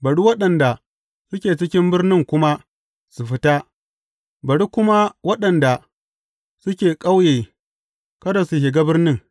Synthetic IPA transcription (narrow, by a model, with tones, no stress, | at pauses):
bɐ˨ɽi˦wɐ˦ɗɐ˨nda˨ | sʊ˦kʲeː˨t͡ʃɪ˦kʲɪ˦mbɪ˦rnɪ˦ŋkʷʊ˦ma˦ | su˨ɸɪ˦ta˦ | bɐ˨ɽi˦kʷʊ˦ma˦wɐ˦ɗɐ˨nda˨ | sʊ˦kʲeː˨kʼa˦wjeː˨ | kɐ˦da˨su˨hɪ˨ɡa˦bɪ˦rnɪ˦ŋ